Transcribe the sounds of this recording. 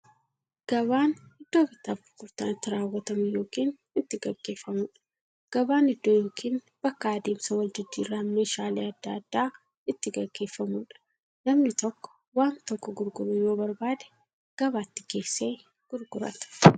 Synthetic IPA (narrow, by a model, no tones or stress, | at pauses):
ɡ̥ɐβaːnhɪd̪ːo̞ːbɪt̪ːaːfɡʊɾɡʊɾt̪aːnɪt̪ːɪɾaːwːɐt̪ɐmʊjo̞ːkiːn | ɪt̪ːɪɡɐɡːe̞ːfːɐmuːᶑɐ̥ | ɡ̥ɐbaːnɪd̪ːoːjo̞ːkʰiːn | b̥ɐkːɐːd̪eːmsɐwɐld͡ʒ̪ɪd̪ːiːrːaːme̞ːʃaːleːɐd̪ːaːɐd̪̥ːaː | ɪt̪ːɪɡɐɡːe̞ːfːɐmuːᶑɐ̥ | lɐmnɪt̪ɔkːɔ̥ | waːnt̪ɔkːɔɡʊɾɡʊɾɐjoːbɐɾbaːd̪ɛ̥ | ɡ̥ɐβaːt̪ːɪ̥ke̞ːsːeː | ɡ̥ʊɾɡʊɾɐ̰t̪ɐ̥